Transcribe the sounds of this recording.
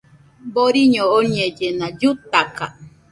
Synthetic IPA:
boɾiɲõoɲed͡ʒenãd͡ʒut̪aka̰

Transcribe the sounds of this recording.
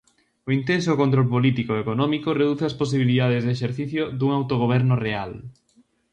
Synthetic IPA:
oint̪ens̬okont̪ɾolpolit̪ikoekonɔmikoreðuθeɐspos̬iβ̞iliðað̞ezðeʃeɾθiθjod̪uŋawt̪oɣ̞oβ̞ɛɾnʊreal

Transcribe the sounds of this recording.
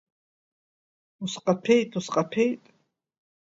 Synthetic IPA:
usqʼapʰɛjt̪ʼusqʼapʰɛjt̪ʼ

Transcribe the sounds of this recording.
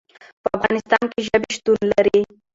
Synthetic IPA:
pəafɣɑnɪst̪ɑnkeʒəbeʃt̪unlaɾi

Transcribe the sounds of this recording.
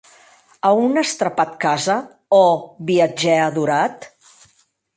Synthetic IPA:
əunəst̪ɾəpat̪kazə | ɔβiəd͡ʒɛəðuɾat̪

